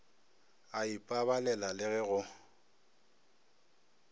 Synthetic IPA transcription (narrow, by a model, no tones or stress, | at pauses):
aipʼaβalɛlalɪɣɛɣʊ